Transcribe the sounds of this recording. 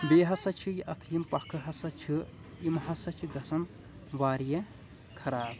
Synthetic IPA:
beːɦɐsɐt͡ʃʰijiʔɐt̪ʰjimpɐkʰɨɦɐsɐt͡ʃʰi | imɦɐsɐt͡ʃʰiɡɐsɐn | ʋaːɾijɐ | kʰɐɾaːb

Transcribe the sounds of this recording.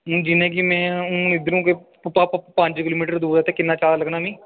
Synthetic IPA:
ũːd͡ʒinẽːkimɛ̃ːũːnɪd̪əɾũːke | paːpppə̃ɲd͡ʒkɪloːmiːʈəɾd̪uːɾaːt̪eːkɪnːãːt͡ʃaːɾləɡnaːmĩː

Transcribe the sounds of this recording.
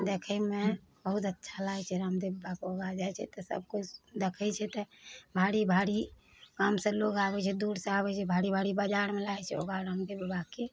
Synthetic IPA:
d̪ekʰəmebəɦut̪ətːʃʰalaɛt͡ʃʰɛɾamd̪ebbakoɡad͡ʒaɛt͡ʃʰɛ̰t̪ɔsə̰b̚kut͡ʃʰd̪ekʰɛt͡ʃʰɛt̪ɔbʱaɽibʱaɽi | kaːmsə̃loɡaːbɛt͡ʃʰɛd̪uɾsẽabɛt͡ʃʰɛbʱaɽibʱaɽibad͡ʒaːɾmelaɛt͡ʃʰɛo̰ɡaɾamd̪ebbake

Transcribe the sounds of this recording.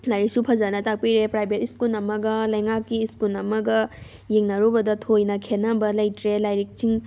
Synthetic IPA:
lajɾik̚supʰɐzanɐtak̚piɾepɾajbʱetiskulnɐmɐɡɐlɐjŋakːiːskunɐmɐɡɐ | jeŋnɐɾubɐdɐtʰojnɐkʰenɐbɐlɐjtɾelajɾik̚siŋ

